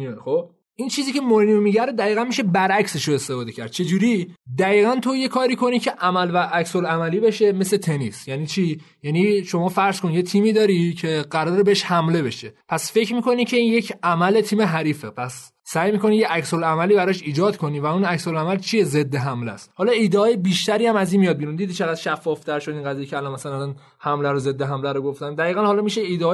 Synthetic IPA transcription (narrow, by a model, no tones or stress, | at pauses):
xob | ʔint͡ʃʰiːziːcʰe̞moɾinomiɟæɾed̪æiːɣænmiʃe̞bæɾʔæcse̞ʃoest̪efɒːd̪e̞cʰæ̰ɾd̪̚t͡ʃʰe̞d͡ʒuɾid̪æiːɣænt̪ʰo̞je̞kʰɒːɾiːkʰo̞nicʰe̞ʔæmælvæʔæcsolæmæliːbe̞ʃe̞me̞slet̪ʰe̞nisjæniːt͡ʃʰiː | jæniːʃo̞mɒːfæɾz̥konjet̪ʰiːmiːd̪ɒːɾicʰe̞ɢæɾɒːɾebeeʃhæmle̞be̞ʃe̞pʰæsfe̞cɾmiːkʰo̞nicʰe̞inje̞cʰæmæle̞t̪ʰiːme̞ɦæɾiːfepʰæsː | æjmiːko̞nijeʔæcsolæmæliːbæɾɒʃiːd͡ʒɒːd̪kʰo̞niːvæunæcsolæmælt͡ʃʰije̞ze̞d̪ːe̞ɦæmlæ̰shɒːlɒid̪eɒːjebiːʃt̪æɾiːæmæzinmijɒd̪̚miɾund̪iːd̪it͡ʃʰe̞ɣæd̪̥ʃæfːɒːft̪ʰæɾʃod̪inɡæzijecʰeælɒnmæsælænlɒn | hæmlæɾoze̞d̪ːeɦæmlæɾoɡo̞ft̪ænd̪æɣiːɣænhɒːlɒmiʃeiːd̪eɒː